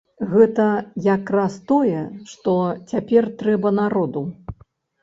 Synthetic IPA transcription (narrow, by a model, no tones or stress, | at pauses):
ɣɛt̪ɐjakɾast̪ɔjɛʂt̪ɔt͡sʲapʲɛrt̪ɾɛbɐnaɾɔd̪u